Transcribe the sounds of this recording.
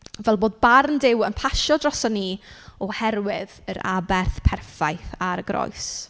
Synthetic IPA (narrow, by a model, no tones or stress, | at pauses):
vɛlˠboːd̚barndɪwənpʰaʃɔdrɔsɔnːiɔhɛɾwɪðəɾa̰bɛrθpʰɛrfajθaɾəɡrɔ̰js